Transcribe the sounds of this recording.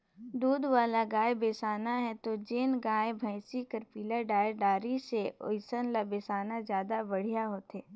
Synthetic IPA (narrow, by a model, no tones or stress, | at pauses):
d̪uːd̪waːlaɡaːebeːsaːnaɦɛt̪od͡ʒeːnɡaːebʱəɪsikəɾpiːləɖaːɖaːɾiseo̰ɪsənlabeːsaːnazjaːd̪abɐɽ̤ijaɦoːt̪eː